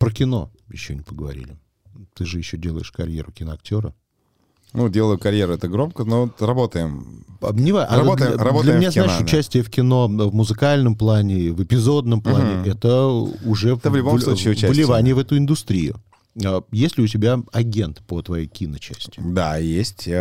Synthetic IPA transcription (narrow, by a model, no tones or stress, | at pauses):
pɾəkʲɪno̞̰jɪɕːo̰nʲɪpəɡəvɐ̰ɾʲḭlʲɪ | t̪ɨʐɨjɪɕːodʲelˠəjɪʂkɐɾʲjḛɾʊkʲɪnəɐk̚tʲo̞ɾə | nudʲelˠəjʊkɐɾʲjeɾʊɛt̪əɡɾo̞mkənorɐbo̞t̪əjɪma̰nʲɪvaʔaɐot̪d̪ɐdbolʲɐmɪmnʲaznaɪʃʊt͡ɕæsʲtʲɪjəfkʲɪno̞vmʊzɨkalʲnəmplˠanʲɪvɨpʲɪzo̞d̪nəmplˠanʲɪʔɛt̪əʊʐɛəvlʲʊbosiːʊvəlʲɪvanʲɪjəvɛt̪ʊɪnd̪ʊst̪ɾʲijʊ̰ | ajesʲlʲɪʊt̬ʲɪbʲaɐɡʲe̞nt̪pət̪vɐjejkʲinət͡ɕæsʲtʲʊd̪ajesʲtʲ